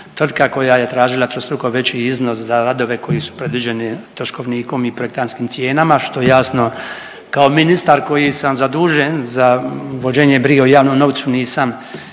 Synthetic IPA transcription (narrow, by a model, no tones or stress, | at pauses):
t̪r̩d̪kako̞jaje̞t̪ɾaːʒilˠat̪ɾost̪ɾukoʋe̞t͡ɕiizno̞szaɾad̪o̞ʋe̞ko̞jisu̥pɾe̞d̪ʋid͡ʑe̞nit̪oʃko̞ʋniːko̞mipɾo̞jekt̪anskimt̪je̞ːnamaʃt̪o̞jejasno̞ | kaominist̪aɾko̞jisamzad̪uːʒenzaʋo̞d͡ʒeːɲebɾiɡeujaːʋnomno̞ʋt̪suniːsam